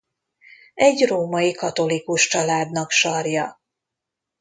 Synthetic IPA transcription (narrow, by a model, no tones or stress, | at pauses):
ɛɟroːmɒikɒt̪o̞likuʃt͡ʃɒlaːd̪nɒkʃɒrjɒ